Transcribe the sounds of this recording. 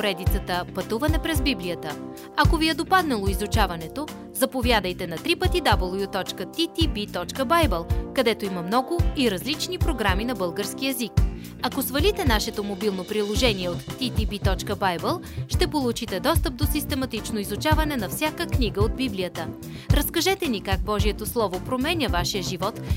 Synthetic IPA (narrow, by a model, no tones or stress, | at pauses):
ɾɛd̪it̪sət̪əpɐt̪uvɐnɛpɾɛzbiblijət̪ə | ɐkoviɛd̪opad̪nɛlˠoizut͡ʃavɐnɛt̪o | zɐpovʲjad̪əjt̪ɛnɐt̪ɾipət̪id̪abəlˠvʲjut̪ɔt͡ʃkət̪it̪ibit̪ɔt͡ʃkəbajbɛlˠkɐd̪ɛt̪oimɐmnɔɡʊiɾɐzlit͡ʃnipɾoɡɾaminɐbɤlˠɡəɾskiɛzik | ɐkosvɐlit̪ɛnaʃɛt̪omobilˠnopɾilˠoʒɛniɛot̪ːit̪ibit̪ɔt͡ʃkəbajbɛlˠʃt̪ɛpolˠut͡ʃit̪ɛd̪ɔst̪əp̚d̪osist̪ɛmɐt̪it͡ʃnoizut͡ʃavɐnɛnɐfsʲjakəkniɡəod̪̚biblijət̪ə | ɾɐskɐʒɛt̪ɛnikaɡ̚bɔʒiɛt̪oslˠɔvopɾomɛnʲəvaʃijəʒivɔt̪